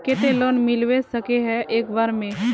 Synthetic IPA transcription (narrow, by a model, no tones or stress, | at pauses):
ket̪eloːnmɪlwesəkeɦɛeːkbaːɾmẽ